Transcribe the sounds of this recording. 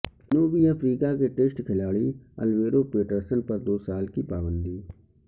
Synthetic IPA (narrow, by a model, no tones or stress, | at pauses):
noːbiɐfɾiːkakeʈeːsʈkʰɪlaːɭiɐ̰lʋeːɾopeːʈəɾsənpɐɾd̪oːsaːlkipaːbə̃nd̪iː